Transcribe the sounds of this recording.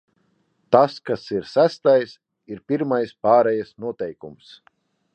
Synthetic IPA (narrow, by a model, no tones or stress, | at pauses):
t̪askasiɾsæst̪ajs | iɾpʲiɾmajspaːɾɛjasnuɔt̪ɛjkums